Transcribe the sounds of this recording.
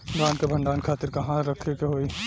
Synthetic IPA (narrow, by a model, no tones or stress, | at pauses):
ɡãːnkebʱɐ̃ɳɖaːnkʰaːt̪ɪɾkɐɦãɾɐkʰekeɦoːi